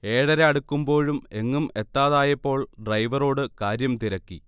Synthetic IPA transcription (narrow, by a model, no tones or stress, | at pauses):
e̞ːɽɐɾeɐɽukːumbo̞ːɻumeŋːume̞t̪ːaːðaːjɐpːo̞ːɭɖrɐjʋɐro̞ːɽɨkaːɾjɐmt̪iɾɐkːi